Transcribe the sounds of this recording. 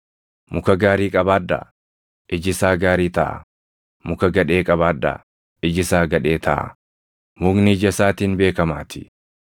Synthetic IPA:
mʊkɐɡaːɾiːkʼɐbaːd̪ːɐ̰ | ʔɪd͡ʒɪsaːɡaːɾiːt̪ɐ̰ʔɐ̰ | mʊkɐɡɐᶑe̞ːkʼɐbaːd̪ːɐ̰ | ɪd͡ʒɪsaːɡɐᶑe̞ːt̪ʰɐʔɐ̰ | mʊɡnɪd͡ʒɐsaːt̪iːnbe̞ːkɐmaːt̪ɪ̥

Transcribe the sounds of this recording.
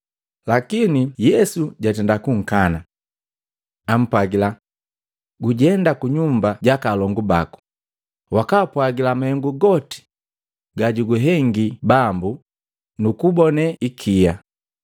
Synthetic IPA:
lakinijɛsuɟatɛndakuŋ̩kana | am̩pwaɡila | ɡuɟɛndakuɲumbaɟakalɔŋɡuba̰ku̥ | wakaːpwaɡilamahɛŋɡuɡɔti̥ | ɡaɟuɡuɦɛŋɡibambu | nukubɔnɛikʰija

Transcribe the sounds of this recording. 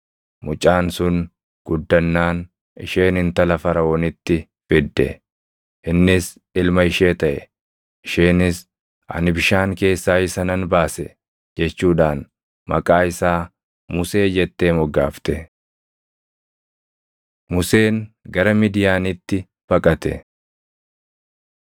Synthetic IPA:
mʊt͡ʃʼaːnsʊn | ɡ̥ʊd̪ːɐnːaːn | ɪʃe̞ːnɪnt̪ɐlɐfɐɾɐɔnɪt̪ːɪ | fɪd̪ːɛ̰ | ʔɪnːɪs | ɪlmɐɪʃeːt̪ɐʔɛ | ɪʃeːnɪs | ɐ̰nɪbɪʃaːŋke̞ːsːaːɪsɐnɐnbaːsɛ | d͡ʒɛt͡ʃːuːᶑaːn | mɐ̰kʼaːɪsaː | mʊse̞ːd͡ʒɛt̪ːe̞ːmɔɡa̰ːft̪ɛ | mʊse̞ːnɡɐɾɐmɪd̪ɪjaːnɪt̪ːɪ | b̥ɐkʼɐt̪ɛ̰

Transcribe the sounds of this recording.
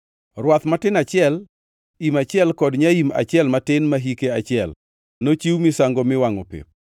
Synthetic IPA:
ɾwat̪matɪnat͡ʃɪɛl | imat͡ʃɪɛlkɔdɲaima̰t͡ʃɪɛlmatɪnmaɦikeat͡ʃɪɛl | not͡ʃiwmɪsaŋɡɔmɪwaŋɔpḛp̚

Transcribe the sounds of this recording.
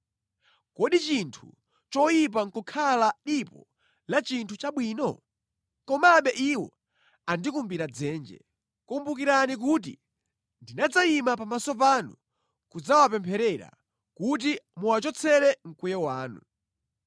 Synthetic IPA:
kɔɗit͡ʃintʰu | t͡ʃɔjip̬aŋ̩kɔkʰalaɗipɔ̰ | lat͡ʃintʰut͡ʃaɓwiːnɔ̰ | kɔmaɓɛʔiwɔ̰ | andikumbiɾad͡zɛːnd͡ʒɛ̰ | kumbukiɾanik̬ut̬i | ndinad͡zaimapamasɔp̬anu | kud͡zawapɛmpʰɛɾɛɾa̰ | kut̬imuwat͡ʃɔt͡sʰɛɾɛŋ̩kujɛwaːnu

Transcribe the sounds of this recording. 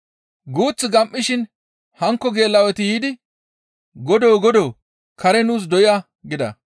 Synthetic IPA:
ɡuːt͡sːɪɡɐmʔːɪʃɪn | hɐŋkːɔɡe̞ːlːɐwɛt̪ɪjiːd̪ɪ | ɡɔd̪oːɡɔd̪oː | kɐɾɛnuːs̬d̪ɔjɪja | ɡɪd̪ɐ̰

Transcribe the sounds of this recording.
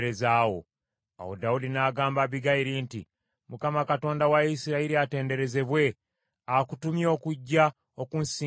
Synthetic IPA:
ɾezaːwo̞̰ | a̰wo̰daudinaːɡaːmbaβiɡajiɾintḭ | mukamakato̞ːndawaisiɾaiɾiate̞ːnde̞ɾe̞ze̞βwe̞ | akutumjo̞ːkuɟːa | o̞kunsiː

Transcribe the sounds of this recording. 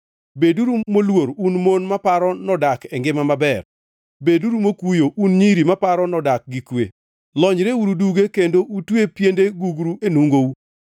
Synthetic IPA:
beduɾumolwoɾunmonmapaɾɔnɔdakɛŋɡɪmamabɛr | beduɾumokujoʔunɲiɾimapaɾɔnɔdak̚ɡikwḛ | lɔɲɾeuɾuduɡekendoʔutwepjendeɡuɡɾuʔenuŋɡou

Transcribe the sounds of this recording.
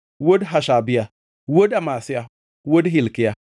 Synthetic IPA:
wodɦaʃabia | wodamasija | wodɦilkija

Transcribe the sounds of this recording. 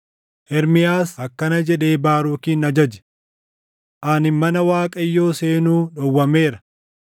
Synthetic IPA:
ʔɛɾmɪjaːsɐkːɐnɐd͡ʒɛᶑe̞ːbaːɾuːkiːnɐd͡ʒɐd͡ʒɛ̥ | ʔanɪmːɐnɐwaːkʼɐjːo̞ːse̞ːnuːᶑɔwːɐme̞ːɾɐ̥

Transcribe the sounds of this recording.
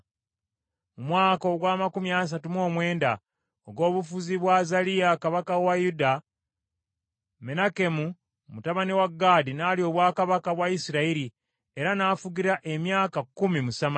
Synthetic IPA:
mumwaːko̞ɡwaːmakumjas̬atumo̞ːmwe̞ːnda | oɡo̞ːβufuziβwazalijakaβakawajuda | me̞nake̞mu | mutaβaniwaɡːaːdinaːlio̞ːβwaːkaβakaβwaisiɾaiɾi | e̞ɾanaːfuɡiɾaʔe̞mjaːkakːumimusama

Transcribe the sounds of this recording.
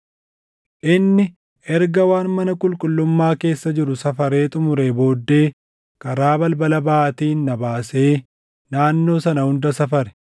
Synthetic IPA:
ʔɪnːɪ | ʔɛɾɡɐwaːnmɐnɐkʼʊlkʼʊlːʊmːaːke̞ːsːɐd͡ʒɪɾʊsɐfɐɾe̞ːt̪ʼʊmʊɾe̞ːbo̞ːd̪ːe̞ː | kɐɾaːbɐlbɐlɐbaːʔt̪iːnːɐbaːse̞ː | naːnːo̞ːsɐnɐhʊnd̪ɐsɐfɐɾɛ̥

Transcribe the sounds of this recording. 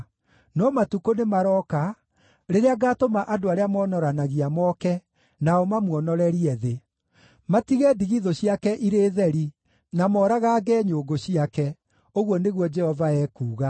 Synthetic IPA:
nɔmatukonemaɾɔka | ɾeɾeaɡatomaʔadoaɾeamɔnɔɾanaɣiamɔkɛ | naɔmamwɔnɔɾɛɾiɛðe | matiɣɛdiɣiðɔɕiakɛʔiɾeːðɛɾi | namɔɾaɣaːɡɛɲoɡoɕiakɛ | oɣwɔneɣwɔd͡ʒɛhɔvaɛːkuːɣa

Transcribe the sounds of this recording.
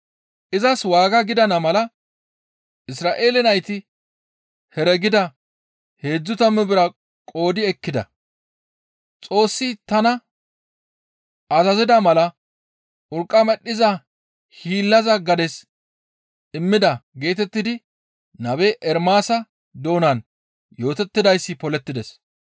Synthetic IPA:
ʔɪzɐswaːɡɐɡɪd̪ɐnɐmɐlɐ | ʔɪsɾaːʔe̞ːlɛnɐjt̪ɪ | hɛɾɛɡɪd̪ɐ | he̞ːd͡zːʊt̪ɐmːɛbɪɾɐ | kʼo̞ːd̪ɪɛkːɪd̪ɐ̰ | t͡sʼo̞ːsːɪt̪ɐnɐ | ʔɐzɐzɪd̪ɐmɐlɐ | ʔʊɾkʼːɐmɛɗːɪzɐ | hiːlːɐzɐɡɐd̪ɛs | ɪmːɪd̪ɐɡe̞ːt̪ɛt̪ːɪd̪ɪ | nɐbeʔɛɾmaːsɐ | d̪o̞ːnɐn | jo̞ːt̪ɛt̪ːɪd̪ɐjsːɪpɔlɛt̪ːɪd̪ɛs

